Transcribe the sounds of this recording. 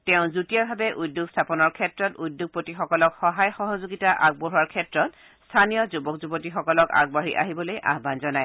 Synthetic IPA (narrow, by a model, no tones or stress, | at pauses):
tɛʊ̃zutijabʱabɛʔudːuɡstʰapɔnɔɹkʰɛtɹɔtudːuɡ̚potixɔkɔlɔkxɔɦajxɔɦɔzoɡitaʔaɡ̚boɦuwaɹkʰɛtɹɔt | stʰanijɔzubɔkzubɔtixɔkɔlɔka̰ɡ̚bɔɹḭʔaɦibɔlojʔa̰ɦbanzɔnaj